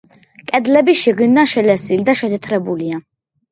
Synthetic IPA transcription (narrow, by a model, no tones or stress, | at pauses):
kʼɛd̪lɛbiʃiɡnd̪anʃɛlɛsild̪aʃɛd̪ʰɛt̪ʰɾɛbulia